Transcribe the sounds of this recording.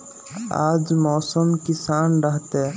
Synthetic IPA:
a̰ːd͡ʒmɔːsəmkɪsaːnɾəɦt̪e

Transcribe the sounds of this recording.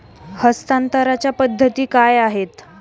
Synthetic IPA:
həst̪ant̪əɾat͡ɕjapəd̪ʱːət̪iːkajaɦet̪

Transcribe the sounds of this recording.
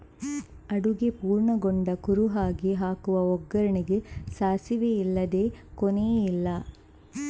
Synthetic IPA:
ɐɽuɡepuːɾɳɐɡoɳɖɐkuɾuɦaːɡiɦaːkuʋɐɔɡːɐɾɐɳiɡesaːsiʋeilːɐd̪e̞ːkɔnejilːɐ

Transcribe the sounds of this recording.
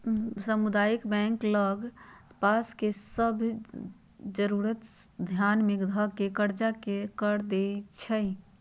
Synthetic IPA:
səmud̪ajikbɛ̃ŋkləɡpaskesəbʱ | d͡ʒəɾuɾət̪d̪ʱjanmikd̪ʱəɡkːekəɾd͡ʒakekəɾd̪et͡ʃʰəɪ

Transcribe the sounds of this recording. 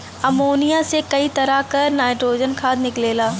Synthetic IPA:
ɐmoːnijasekɐit̪ɐɾakɐɾnaːɪʈɾoːd͡ʑənkʰãːnɪkleːlaː

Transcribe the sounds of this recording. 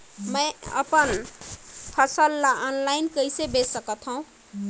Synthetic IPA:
mə̃ɪə̰pən | pʰəsəlːaʔɔnlajnkəjsebesəkət̪ʰɦʌũ

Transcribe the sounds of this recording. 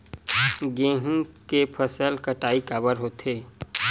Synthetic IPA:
ɡẽːɦũkepʰəsəlkəʈaːikaːbəɾɦoːt̪ʰeː

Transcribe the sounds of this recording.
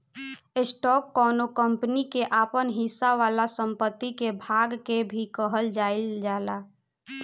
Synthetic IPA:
esʈɔːkːɔːnokəmpnikeʔaːpənɦɪsːaʋalasəmpət̪ːikebʱaɡkebʱikəɦəld͡ʒaɪld͡ʒaːla

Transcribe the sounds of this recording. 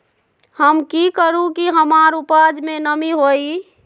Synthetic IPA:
həmkikəɾũkiɦəmaɾupad͡ʒmenəmiɦoi

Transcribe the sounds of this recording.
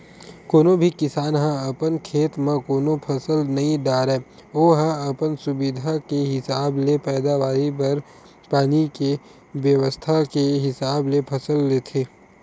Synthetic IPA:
koːnõbʱikɪsaːnɦãɐpənkʰeːt̪mẽkoːnopʰɐsəlnɐɦĩɖ̪aːɾɛ | oːɦãɐpənsʊbɪd̪ʱakeɦɪsaːblepɛːd̪aʋaːɾipɐɾ | paːnike | ʋjəʋəst̪ʰakeɦɪsaːblepʰɐsəlːeːt̪ʰeː

